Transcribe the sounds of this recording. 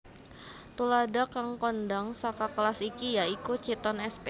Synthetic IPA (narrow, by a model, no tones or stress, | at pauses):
t̪uladakaŋkɔndaŋsakakəlasikijaikut͡ʃit̪ɔnɛspe